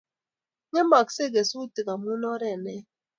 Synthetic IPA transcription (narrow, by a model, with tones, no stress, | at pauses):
ŋɛ˦ma˨kse˦˨ɡɛ˨su˦ti˨ka˨mu˦nɔ˦ɾɛ˦˨nɛ˦